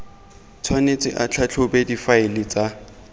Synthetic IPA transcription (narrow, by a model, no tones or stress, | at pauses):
t͡sʰwanet͡sʼɪʔat͡ɬʰat͡ɬʰʊbɛdifaɪlɪt͡sʼa